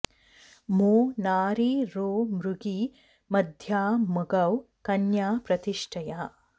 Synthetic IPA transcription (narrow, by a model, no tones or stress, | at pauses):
moːnaːɾiɾoːmɾuɡi | mɐd̪ʱjaːmɐɡɐw | kɐnjaːpɾɐt̪iʂʈʰɐjaː